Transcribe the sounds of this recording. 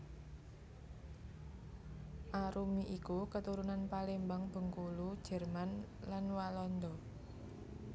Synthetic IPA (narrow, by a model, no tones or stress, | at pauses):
ʔaɾumiʔikukət̪uɾunanpalimbaŋb̥ə̤ŋkulud̥ʒ̥ɛ̤rman | lanwalɔnd̪ɔ